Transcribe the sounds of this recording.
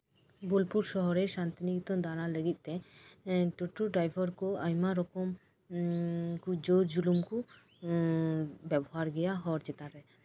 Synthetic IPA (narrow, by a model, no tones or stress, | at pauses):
bulpuɾʃɔɦɔɾɛʃant̪inikt̪ɔnd̪aɾaləɡit̪̚ˀt̪ɛ | ʈuʈːuɖɾajbʱɔɾkɔajmaɾɔkɔm | kud͡ʒoɾd͡ʒulumku | bɛbɔɦaɾɡɛjaɦɔɾt͡ʃɛt̪aɾɛ